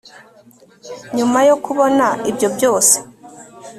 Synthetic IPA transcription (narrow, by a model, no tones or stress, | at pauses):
ɲumajo̞kuβo̞naibjo̞bjo̞ːse̥